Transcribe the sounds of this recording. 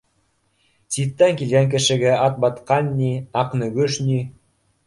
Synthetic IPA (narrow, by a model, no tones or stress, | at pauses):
t̪it̪ːæŋkʲilɡæŋk̬ɘ̆ʃɘ̆ɡæɑt̪̚bɑt̪qɑnʲːiɑqnɵ̆ɡɵʃnʲi